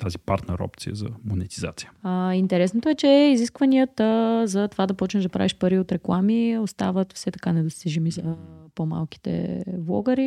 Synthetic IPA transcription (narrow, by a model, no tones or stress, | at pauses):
t̪azipaɾt̪nɛɾɔ̰pt̪sijə̰zɐ̰monɛt̪izat̪si̥jəaint̪ɛɾɛsnot̪oɛt͡ʃɛɛiziskvɐniət̪əzɐt̪ovad̪ɐpɔt͡ʃnɛʒd̪ɐpɾa̰viʃpəɾiot̪ɾɛklˠamiost̪avət̪fsɛt̪ɐ̥kanɛd̪ost̪iʒɛmizɐpoma̰lˠki̥t̪ɛ̰vlˠɔ̰ɡəɾi